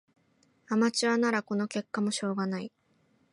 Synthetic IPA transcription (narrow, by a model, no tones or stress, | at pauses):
amat͡ɕiβanaɾako̞no̞ke̞kːamo̞ɕo̞ːɡanai